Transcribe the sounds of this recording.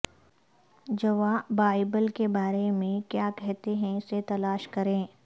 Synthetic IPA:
d͡ʒɐʋaːbaːɪbəlkebaːɾemẽkjaːkɛɦt̪eɦɛ̃ɪset̪ɐlaːʃkɐɾẽː

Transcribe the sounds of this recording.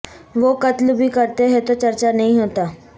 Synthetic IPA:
ʋokɐt̪lbʱikɐɾt̪eɦɛ̃t̪ot͡ʃɐɾt͡ʃanɐɦĩɦoːt̪aː

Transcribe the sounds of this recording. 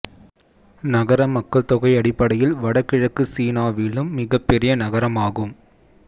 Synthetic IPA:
nɐɣɐɾɐmːɐkːɐɭt̪ɔɣɐɪɐɽɪpːɐɽɐjɪlʋɐɽɐkːɪɻɐkːɯsiːnaːʋɪlɯmːɪɣɐpːɛɾɪjɐnɐɣɐɾɐmaːɣɯm

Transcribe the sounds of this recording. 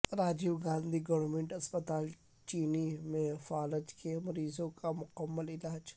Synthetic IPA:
ɾaːd͡ʒiwɡãːnd̪ʱiɡɐʋəɾmẽɳʈɐspət̪aːl | t͡ʃiːnimẽfaːlət̪kʰemɐɾiːzõkamʊkəmːəlɪlaːd͡ʒ

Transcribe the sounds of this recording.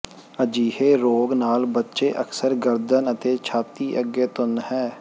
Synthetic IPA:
əd͡ʒiːɦeːɾoːɡnaːlbətːʃeːʔəksəɾɡəɾd̪ənət̪eːt͡ʃʰaːt̪iːʔəɡeːt̪ʊnhɛː

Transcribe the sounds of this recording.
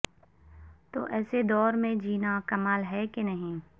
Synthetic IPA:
t̪o̰ːʔɛːsed̪ɔːɾmẽd͡ʒiːnakɐmaːlɦɛkenɐɦĩː

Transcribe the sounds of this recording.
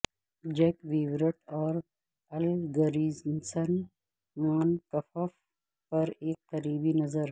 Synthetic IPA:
d͡ʒɛkʋiwɾəʈɔːɾ | ɐlɡɐɾiːznsən | maːnkɐfəf | pɐɾeːk̚qɐɾiːbinɐzəɾ

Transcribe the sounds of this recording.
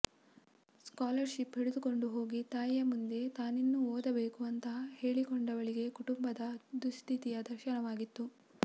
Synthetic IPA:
skaːlɐɾʃipɦiɽud̪uko̞ɳɖuɦo̞ːɡit̪aːjjɐmund̪e̞t̪aːninːuoːd̪ɐbe̞ːkuʋɐnt̪ɐhe̞ːɭikɔɳɖɐʋɐɭiɡe̞kuʈumbɐd̪ɐd̪ust̪ʰit̪ijɐd̪ɐɾʃɐnɐʋaːɡit̪ːu

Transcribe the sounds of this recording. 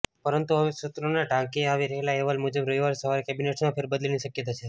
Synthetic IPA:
pəɾənt̪uɦəʋesət̪ɾonaɖʱãkeaʋiɾəɦelaeʋəlmud͡ʒəbɾoiʋaɾsəʋaɾekɛbineʈsmãpʰeɾbəd̪əlniʃəkjət̪at͡ʃʰe

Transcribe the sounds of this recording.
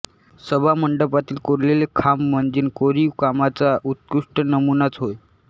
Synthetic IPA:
səbʱaməɳɖəpat̪iːlkoɾlelekʰamːəɳd͡ziːnkoɾiʋkamat͡saʔut̪̚kuʂʈənəmunat͡sɦoj

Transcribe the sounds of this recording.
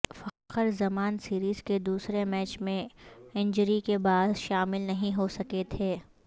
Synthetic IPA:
fɐqəɾzɐmaːnsiːɾiːz̥ked̪uːsɾemɛːt͡ʃmẽɪ̃ɲd͡ʒəɾikebaːd̪ʃaːmɪlnɐɦĩɦosɐket̪ʰeː

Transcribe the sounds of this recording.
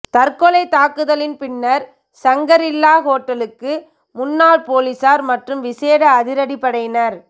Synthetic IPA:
t̪ɐɾkɔlɐɪt̪aːkɯðɐlɪnpɪnːɐɾ | sɐŋɡɐɾɪlːaːɣoːʈːɐlɯkːɯ | mʊnːaːlpoːlisaːɾmɐʈrɯmʋɪseːɽɐːðɪɾɐɽipːɐɽɐɪjnɐɾ

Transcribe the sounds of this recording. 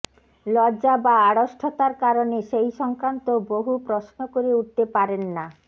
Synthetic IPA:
lɔd͡ʑabaaɽoʃʈʰot̪aɾkaɾoneʃejʃɔŋkɾant̪oboɦupɾosnokoɾeuʈ̚t̪epaɾenːa

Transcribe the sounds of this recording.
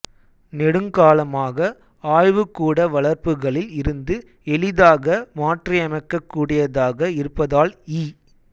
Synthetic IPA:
nɛɽɯŋɡaːlɐmaːɣɐ | aːjʋɯkːuːɽɐʋɐɭɐɾpɯɣɐɭɪlɪɾɯnd̪ɯ | ɛɭɪðaːɣɐmaːʈriɐmɐɪkːɐkːuːɽɪjɐðaːɣɐɪɾɯpːɐðaːliː

